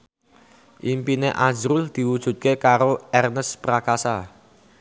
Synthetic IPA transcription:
ʔimpineʔḁʒɾʊld̪̥i̤wud̥ʒ̥ṳt̪̚kekaɾoɛrnəspɾakasa

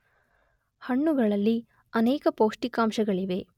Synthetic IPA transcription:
hɐɳːuɡɐɭɐlːi | ɐneːkɐpoːʂʈikaːmʃɐɡɐɭiʋe̞

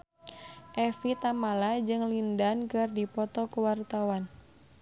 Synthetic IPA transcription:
ʔɛfit̪amalad͡ʒɨŋlindankɨrdipɔt̪ɔkəwart̪awan

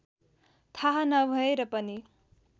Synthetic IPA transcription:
t̪ʰaɦanʌbʱʌeɾʌpʌni

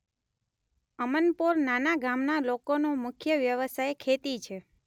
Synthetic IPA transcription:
əmənpuɾnanaɡamnalokonomʊkʰjəʋjəʋəsajkʰet̪it͡ʃʰe

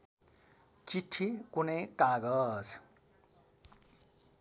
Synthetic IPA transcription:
t͡siʈʰikunʌjkaɡʌd͡z

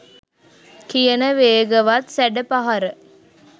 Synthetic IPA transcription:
kijənəʋeːɡəʋat̪sæɖəpaɦaɾə

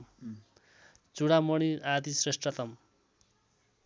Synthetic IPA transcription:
t͡suɽamʌɽ̃iad̪isresʈrat̪ʌm

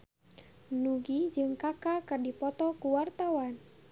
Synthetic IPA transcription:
nuɡid͡ʒɨŋkakakɨrdipɔt̪ɔkuwart̪awan

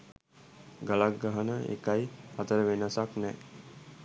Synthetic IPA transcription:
ɡalak̚ɡaɦanəḛkajhat̪əɾəʋenasaknɛ

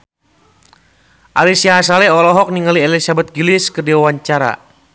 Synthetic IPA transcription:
ʔalisiaɦasalɛɔlɔɦɔk̚niŋaliɛlisabɛt̪̚ɡiliskərdiwawaɲt͡ʃaɾa̰

